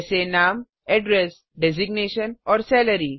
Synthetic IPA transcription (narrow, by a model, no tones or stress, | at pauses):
senãːm | ɛɖɾes | ɖezɪɡneːʃənɔːɾsɛːləɾi